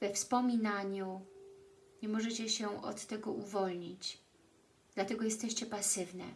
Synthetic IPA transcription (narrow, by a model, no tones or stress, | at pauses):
vɛfspɔmʲinaɲu | ɲɛmɔʐɛt͡ɕɛɕɛʔɔ̰t̪ːɛɡɔʔuvɔlɲit͡ɕ | d̪lat̪ɛɡɔjɛst̪ɛɕt͡ɕɛpasɘvnɛ̰